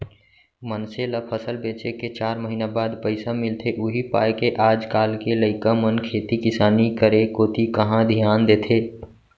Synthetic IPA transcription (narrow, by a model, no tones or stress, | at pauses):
mənseləpʰəsəlbeːt͡ʃeket͡ʃaːɾməɦinabaːd̪pəɪsamɪlt̪ʰeʔʊɦipa̰ːjkeʔaːd͡ʒkaːlkeləɪkamənkʰeːt̪ikɪsaːnikəɾekoːt̪ikəɦãd̪ʱijaːnd̪eːt̪ʰeː